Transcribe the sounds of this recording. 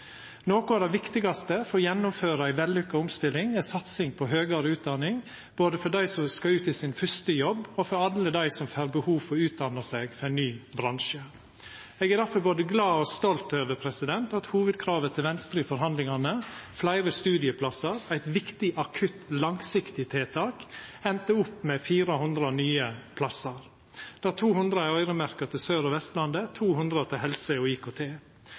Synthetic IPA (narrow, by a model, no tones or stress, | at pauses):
noːkʊɑd̪ɛʋɪkt̪ɪɡɑst̪əfɔɾjɛnːʊmføːɾɑæɪʋɛlːʏkːəɔmst̪ɪlːɪŋɛsɑt̪sɪŋpʰɔɦøːɡɑɾəʉːt̪̚d̪ɑnɪŋ | b̥oːd̪əfɔɖæɪsɔmskɑʉːt̪ɪsɪnfœst̪əjɔbːɔfɔɾɑləd̪æɪsɔmfæːɾbəhuːfɔʉːt̪̚d̪ɑnɑseːɡfɔɾæɪnnyːbɾɑŋʂə | ɛːɡæɾd̪æɾfɔɾboːd̪əɡlɑːɔst̪ɔlt̪øːʋəpʰɾɛsɪd̪ɛnt̪ɑt̪huːʋəd̪̚kʰɾɑːʋət̪ʰɪlʋɛnst̪ɾiːfɔɾɦɑnd̪lɪŋɑnəflæɪɾəst̪ʉːd̪ɪəpʰlɑsɑɾæɪt̪ʋɪkt̪ɪʔɑkʰʉt̪lɑŋsɪkt̪ɪt̪ʰeːt̪ʰɑːkɛnt̪əʊpːmɛfiːɾəhʊnd̪ɾɑnyːəpʰlɑsɑɾ | d̪̥æːɾt̪ʰuːhʉnd̪ɾəæœʏɾəmæɾkɑt̪ʰɪlsøːɾɔʋɛst̪lɑnd̪ət̪ʰuːhʉnd̪ɾət̪ʰɪlɦɛlsəɔiːkʰoːt̪ʰeː